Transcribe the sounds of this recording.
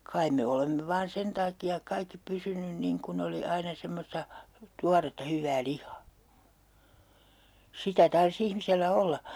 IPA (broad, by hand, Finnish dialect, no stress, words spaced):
kɑim me olemːe ʋɑːn sen tɑːkiɑk kɑikːi pysynyn niŋ kun oli ɑinɑ semːostɑ tuɑretːɑ hyʋːæː lihˑɑ̥ː sitæ tɑrs ihmiselːæ olːɑ